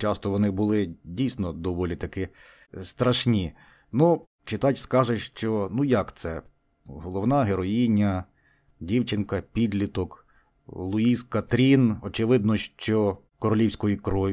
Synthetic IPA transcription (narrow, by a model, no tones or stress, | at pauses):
t͡ʃɑst̪ɔʋɔnɪbʊlˠɪdʲijsʲnɔd̪ɔʋɔlʲit̪ɐkɪ | st̪ɾɐʃnʲi | nu | t͡ʃɪt̪ɑtʲskɑʒeʃt͡ʃɔnujɐkt̪sɛ | ɦɔlˠɔwnɑɦeɾɔjinʲːɐ | dʲiwt͡ʃɪnkɐpʲid̪ʲlʲit̪ɔk | lˠʊiskɐt̪ɾʲinɔt͡ʃeʋɪd̪nɔʃt͡ʃɔ | kɔɾɔlʲiwsʲkɔjikɾɔʋʲ